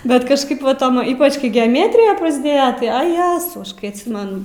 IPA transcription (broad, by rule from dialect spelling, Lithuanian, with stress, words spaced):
ˈbʲɛt kɐʃˈkɐɪp ʋɐ ˈtoːm ˈiːpɐt͡ʃ kɐɪ ɡʲɛɐˈmʲæːtʲrʲɪjɛ prɐzʲˈdʲeːjɛ ˈtɐɪ ɐ ˈjæːzɐʊ ˈɐʃ kɐɪ ɐtʲˈsʲɪmʲɛn